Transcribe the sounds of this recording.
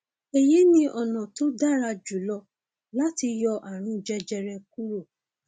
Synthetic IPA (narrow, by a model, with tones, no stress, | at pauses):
e˨je˦nĩ˦ʔɔ˨nɔ̃˨to˦da˦˨ɾa˧d͡ʒu˨˦lɔ˧ | la˦ti˧jɔ˧ʔa˨ɾ̃ũ˧˦d͡ʒɛ˧d͡ʒɛ˧ɾɛ˧ku˦ɾo˦˨